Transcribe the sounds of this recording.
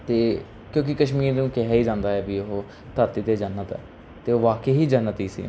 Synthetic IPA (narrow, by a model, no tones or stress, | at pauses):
t̪eː | kjõːk̬ɪkəʃmiːɾnũːkɛɦɛiːd͡ʒãːnd̪aːɛːbiːʊɦo | t̪əɾt̪iːt̪eːd͡ʒənːət̪ɛ̰ː | t̪eːoːʋaːkeːɦiːd͡ʒənːət̪iːsḭː